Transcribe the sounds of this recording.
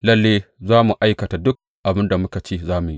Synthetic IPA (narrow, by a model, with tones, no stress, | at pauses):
lɐ˦lːeː˦zaː˦mu˨ʔa˦jkɐ˨ta˨dʊ˦k̚ | ʔa˨bɪ˦nda˨mʊ˦ka˨t͡ʃeː˦zaː˦mu˨ji˦ʔ